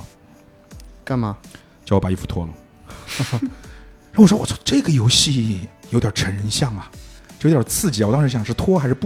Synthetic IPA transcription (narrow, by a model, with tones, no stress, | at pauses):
ka˥˩nmɐ˩ | t͡ɕo˥˩wɔ˥˩pa˨˩˦i˥˩fu̥˧˩t̪ʰwɔ̰˥lə̰˨ | a˥˧wʂwɔ˥wɔ˨˩ɔ˥˩ʈ͡ʂɤ˥˩ɡə˩jo˧˥ʊɕi˥˩jo˧˥t̪ʲjɑ˨˩ʈ͡ʂʰə˧˥ni˧˥nɕjɑ˥˩ŋɐ˩o˧˩˧t̪jʲɑ˨˩t͡sʰɹ̩˥˩t͡ɕwt̪ɑ˥ʂ̩˧˥ɕjɑ˨ŋʂɻ̩˥˩t̪ʰwɔ˥xa˧˥ɪʂɻ̩˥˧p